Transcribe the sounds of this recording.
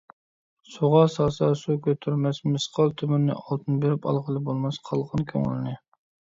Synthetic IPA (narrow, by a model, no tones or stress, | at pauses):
suʁɑsɑsɑsukʲʰøt̪ʰːyɾmɛsmɨsqʰɑlˠt̪ʰymɛnːɪ̰ʔɑlˠt̪ʰɨnbeɾɪpɑ̰lˠʁəlˠɨbolˠmɑsqʰɑlˠʁənkʲʰø̰ŋɪ̰lɪnɪ